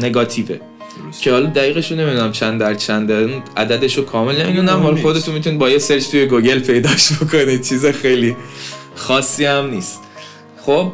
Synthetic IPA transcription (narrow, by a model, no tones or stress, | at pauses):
ne̞ɡɒːt̪ʰiːvḛ | cʰe̞hɒːlɒd̪æɣiːɣeʃonmid̪unæmt͡ʃʰænd̪æɾt͡ʃʰænd̪æɾinʔæd̪æd̪e̞ʃokʰɒːmelnemid̪unæmhɒlɒxo̞d̪e̞t̪ʰunmit̪unid̪̚bɒːjeseld͡ʒt̪ujeɡoɟe̞lpʰe̞jd̪ɒːʃbokʰonit͡ʃʰiːzexejli | xɒːsːiːhæmniːst̪ | χob̚